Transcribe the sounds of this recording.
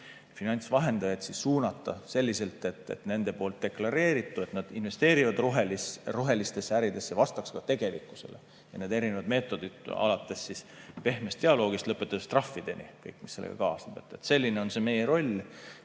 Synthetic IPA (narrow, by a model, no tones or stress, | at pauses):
finɑnʲt̪svɑɦe̞nd̪̥ɑjet̪sissuːnɑt̪ːˑɑse̞lʲːise̞lt̪ːˑe̞t̪ːˑḛt̪ne̞nd̪̥e̞po̞ːlt̪̚d̪e̞klɑɾe̞ːɾit̪ːˑue̞t̪nɑd̪̥inve̞st̪e̞ːɾivɑd̪ruɦeliruɦe̞list̪e̞sːeæɾid̪̥e̞sːevɑst̪ɑkskɑt̪e̞ɡe̞likːˑu̥se̞̰lḛ | jɑneːd̪e̞ɾine̞vɑd̪me̞ːt̪ˑːo̞d̪̥id̪̥ɑ̰lɑt̪ːˑe̞sːispe̞hmest̪eɑlo̞ːɡ̥ist̪lɤpːˑet̪ːˑɑst̪rɑfːid̪̥e̞nḭkɤjkːˑmise̞lḛɡɑ̰kɑːsneb̥et̪ːˑet̪se̞lʲːineo̞nse̞me̞jeɾo̞lʲ